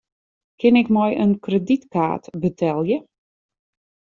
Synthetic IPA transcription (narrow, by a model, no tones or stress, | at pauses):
kʰɪnɪkmɔjənkrəditka̰ːtbətʰɛlˠjə